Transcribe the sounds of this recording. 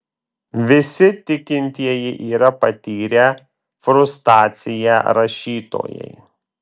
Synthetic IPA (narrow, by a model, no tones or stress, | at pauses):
ʋʲɪsʲɪt̪ʲɪkʲɪnʲt̪ʲiɛjɪʔiːɾɐpɐt̪ʲiːɾʲɛ | fɾʊst̪ɑːt̪sʲɪjæɾɐʃʲiːt̪o̰ːjɛ̰ɪ